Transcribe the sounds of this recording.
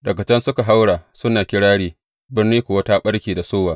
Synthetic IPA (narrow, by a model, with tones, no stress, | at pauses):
ɗɐ˨kɐ˨t͡ʃɛ˦nsʊ˦ka˨ɦa˦wɽaː˨sʊ˦naː˨kʲɪ˦ɽaː˦ɽiː˦ | bɪ˦rniː˦kʷʊ˨wɐ˦ta˦ɓɐ˦ɽkʲiː˨da˨soː˦waː˨